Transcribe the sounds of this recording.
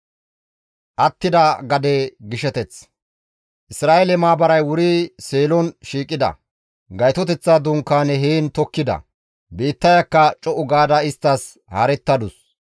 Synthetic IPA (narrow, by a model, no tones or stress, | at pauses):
ʔɐt̪ːɪd̪ɐɡɐd̪eɡɪʃɛt̪ɛt͡s | ʔɪsɾaːelɛmaːbɐɾɐjwʊɾiseːlɔnʃiːkʼːɪd̪ɐ̰ | ɡɐjt̪ɔt̪ɛt͡sːaːd̪ʊŋkːaːnɛɦeːnt̪ɔkːɪd̪ɐ̰ | beːt̪ːɐjɐkːɐt͡ʃʼɔʔʊɡaːd̪ɐɪst̪ːɐs | hɐ̰ɾɛt̪ːɐd̪ʊs